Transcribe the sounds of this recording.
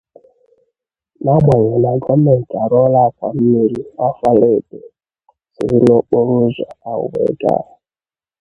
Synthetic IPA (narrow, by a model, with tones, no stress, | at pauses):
na˦ɡ͡ba˨ɲa˨na˨ɡɔ˦mɛ˨n̩˨ta˨ɾɔ˦la˦˨k̚ʷa̰˨m̩˦mi˦ɾi˦a˦fa˦le˦˨be˨ | si˨˦i˦no˦k͡po˦ɾu˦ʒa̰˨a˨ʊ̰˨wḛ˨˦ɡa̰˦ɾa˨